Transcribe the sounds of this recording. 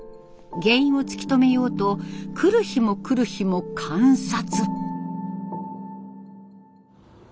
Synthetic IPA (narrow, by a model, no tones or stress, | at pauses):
ɡẽ̞ĩɰ̃o̞t͡sɨ̥kʲi̥t̪o̞me̞jo̞ːt̪o̞kʰɯ̟ɾɯ̟çimo̞kɯ̟ɾɯ̟çimo̞kʰãɰ̃sat͡sɨ